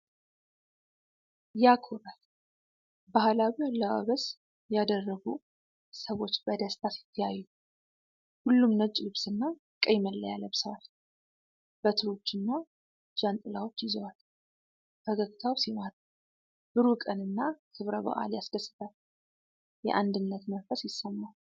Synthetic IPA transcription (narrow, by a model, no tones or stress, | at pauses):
jakʰoɾal | bahlawiwalːəʔa̰βəs | jad̪ərːəɡu | səwo̞t͡ʃːbəd̪əst̪ʰasjɪ̥t̪ʰːəjajːu | hulːumnət͡ʃʼːlɨβsɨnːa | kʼəjməlːəja̰ləβsəwal | b̥ət̪ʰɨɾo̞t͡ʃːɨnːa | d͡ʒant̪ʼɨlawo̞t͡ʃːjɪzəwal | bəɡəɡt̪ʰawsimat̪ʼ | b̥ɨɾukʼənɨnːakʰɨβɾəβə̰ʔa̰ljaskəsːɨt̪ʰal | jɛ̰ʔand̪ɨnːət̪mənfəsjɪsəmːa